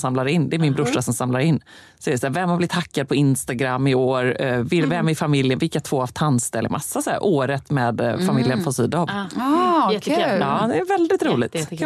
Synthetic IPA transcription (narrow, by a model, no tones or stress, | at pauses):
samlaɾɪnd̪ɛæɾmɪnbɾʊʂːasɔmsamlaɾɪnː | sɔɛæɖɛsaæːvɛmːablɪt̪ʰakːad̪̚pʰɔɪnst̪aɡɾamːɪoːɾvɪlvɛmːɪfamɪljənvɪlkat̪ʰv̥oːavt̪ʰanst̪ɛlːɪ̰mʔa̰sːasɔhæ̰ːɾʔoːɾət̪mɛːd̪famɪljənfɔsyːd̪aɔv | ɑːd̪ɛːɾvɛld̪ɪt̪ɾuːlɪ̰ɡ̚t̪